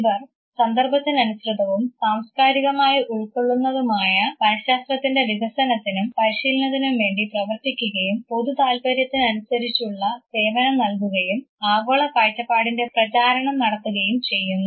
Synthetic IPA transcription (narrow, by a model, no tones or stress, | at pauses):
bɐr | sɐnd̪ɐrbɐt̪ːinɐnusrɨd̪ɐʋumsaːmskaːɾiɣɐmaːjiʔuɭkoɭːunːɐðumaːjɐpɐɾɐɕaːst̪rɐt̪ːinde̞ʋiɣɐsɐnɐt̪ːinumpɐɾiɕiːlnɐðinumʋe̞ːɳɖiprɐʋɐrt̪ikʲːuɣɐjumpo̞ðut̪aːlpɐɾjɐt̪ːinɐnusɐɾit͡ɕːuɭːɐseːʋɐnɐmnɐlkuɣɐjum | aːɡoːɭɐpaːɻtːɐpːaːɽinde̞prɐt͡ɕaːɾɐɳɐmnɐɽɐt̪ːuɣɐjumt͡ɕe̞jːunːu